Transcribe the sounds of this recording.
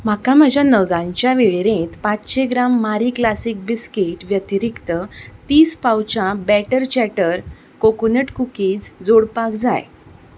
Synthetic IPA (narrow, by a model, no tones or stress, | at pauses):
m̤akaməd͡ʑʱanəɡãɲt͡ɕjaʋeɭeɾẽt̪pat͡sɕeɡɾamːaɾiklasik̚biskiʈʋjət̪iɾikt̪ət̪iːspawt͡ɕabæʈəɾt͡ɕɛʈəɾ | kokunəʈkukiːt͡sd͡zoɽpakd͡za̰j